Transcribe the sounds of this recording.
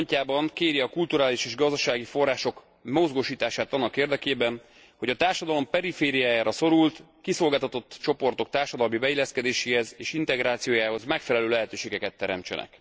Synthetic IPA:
ɲcaːbɒŋkeːɾjiɒkult̪uɾaːliʃeːʒɡɒzd̪ɒʃaːɡifo̞rːaːʃo̞k | mo̞zɡoʃiːt̪aːʃaːt̪ɒnːɒkeːrd̪ɛkeːbɛn | ho̞ɟɒt̪aːrʃɒd̪ɒlo̞mpɛɾifeːɾijaːjaːɾɒso̞ɾult̪ | kiso̞lɡaːlt̪ɒt̪o̞t̪ːt͡ʃo̞po̞rt̪o̞k̚t̪aːrʃɒd̪ɒlmibɛilːɛskɛd̪eːʃeːhɛzeːʃint̪ɛɡɾaːt̪sijoːjaːho̞zmɛkfɛlɛløːlɛɦɛt̪øːʃeːɡɛkɛt̪ːɛɾɛ̰mt͡ʃɛ̰nɛ̰k

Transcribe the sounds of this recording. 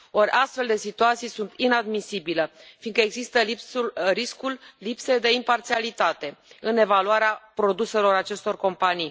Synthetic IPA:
o̞ɾʲʔast̪fe̞ld̪e̞sit̪uat̪sijsunt̪inad̪misibiləfinkəe̞ɡzist̪əriskulʲːipse̞d̪e̞impart̪sialit̪at̪e̞ɨne̞valuaɾeapɾo̞d̪use̞lo̞ɾat͡ʃe̞st̪o̞rko̞mpanij

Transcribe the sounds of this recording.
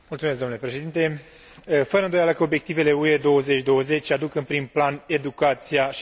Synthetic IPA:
mult̪sumesɡd̪omnule̞pɾe̞ʃed̪int̪e̞ | fəɾəɨnd̪o̞jaləkəo̞bje̞k̚t̪ive̞le̞ue̞d̪o̞wəze̞t͡ʃʲd̪o̞wəze̞t͡ʃʲad̪ukɨnpɾimplane̞d̪ukat̪sija

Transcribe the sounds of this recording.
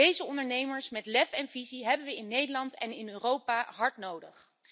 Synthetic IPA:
ejzəɔndəɹnejməɹsmɛtlɛfɛnviziɦɛbənʋəɪnːejdəlɑntɛ̰nɪnøːrowpaɦɑɹtnowdəχ

